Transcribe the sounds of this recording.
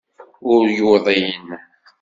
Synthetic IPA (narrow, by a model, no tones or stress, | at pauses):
ʊɾjʊðˤin